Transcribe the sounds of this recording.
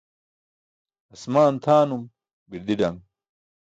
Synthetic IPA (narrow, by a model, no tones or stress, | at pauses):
ɐsmaːnt̪ʰaːnum | biɾd̪iɖɐŋ